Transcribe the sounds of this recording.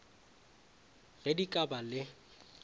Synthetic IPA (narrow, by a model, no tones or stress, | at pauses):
ɣedikʼabalɪ